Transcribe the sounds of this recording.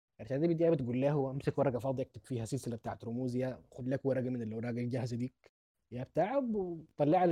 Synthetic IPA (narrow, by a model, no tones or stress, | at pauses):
ʔæɾt̪æd̪æd̪æbed̪jæːbet̪̚ɡuːlːæːhuwʔæmsækwɑɾˤɑɡæfɑːd̪ˤiʔæk̚t̪eb̥fiːhæsɪlselæbet̪aːʕet̪ɾumuːzjæxʊd̪læːkwɑɾˤɑɡæmɪnɪlʔawɾˤɑːɡalɡæhzæd̪iː | jæbet̪aːʕabt̪ˤɑlːeʕal